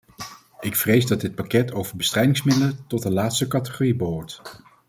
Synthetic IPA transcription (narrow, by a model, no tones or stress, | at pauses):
ʔɪkfrejzdɑd̚dɪt̚pakɛtʰowvəɹbəstrɛjdɪŋsmɪdələtɔtəlaːtstəkɑtə̥χoribəɦʊːɹt